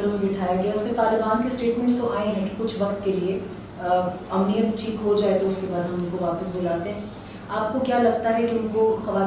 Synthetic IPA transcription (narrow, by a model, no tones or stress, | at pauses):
əɾmẽbɪʈʰaːjaɡejaʊsmẽt̪aːlɪbaːnkesʈeːʈmɛ̃ɳʈst̪oʔaːẽɦɛ̃kkʊt͡ʃʰʋɐkt̪kelie | ɐmnijət̪t͡ʃʰiːkɦod͡ʒaːet̪oʊskebaːd̪ɦɐmʊnkoʋaːpəsbʊlaːt̪ẽɦɛ̃ | aːp̚kokjaːlɐɡ̚t̪aɦɛkiʊnkoxɐʋaː